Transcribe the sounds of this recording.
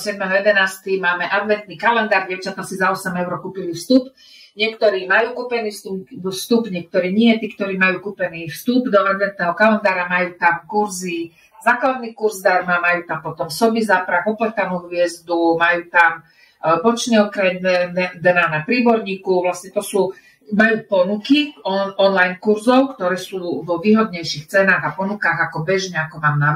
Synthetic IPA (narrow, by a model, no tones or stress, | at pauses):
sɪɛd̪mɛɦɔjɛd̪ɛnaːst̪imaːmɛʔad̪ʋɛnt̪nikalɛnd̪aːɾɟɛʊt͡ʃat̪asizaɔsɛmɛʊɾɔkuːpilifst̪up | ɲɪɛkt̪ɔɾiːmajuːkuːpɛniːfst̪ust̪upɲɪɛk̚t̪ɔɾiːɲɪɛt̪iːkt̪ɔɾiːmajuːkuːpɛnifst̪ubd̪ɔʔad̪ʋɛnt̪nɛːɦɔkalɛnd̪aːɾamajuːt̪amkuɾzi | zaːklad̪nikuɾzd̪aɾmamajuːt̪ampɔt̪ɔmsɔbizapɾakɔplɛt̪anuːɦʋɪɛzd̪umajuːt̪am | bɔt͡ʃɲɛɔkɾaɛnɛd̪ɛnaːnapɾiːbɔɾɲiːkuʋlast̪ɲɛt̪ɔsuː | majuːpɔnukiɔɔnlajnkuɾzɔʊkt̪ɔɾɛːsuːvɔʋiːɦɔd̪ɲɛjʃixt͡sɛnaːɣapɔnukaɣakɔbɛʒɲɛakɔmaːmna